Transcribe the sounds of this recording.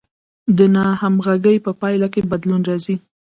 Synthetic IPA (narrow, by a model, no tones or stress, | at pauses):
d̪ənɑhamɣaɡəjpəpɑjlakebad̪lunɾɑzi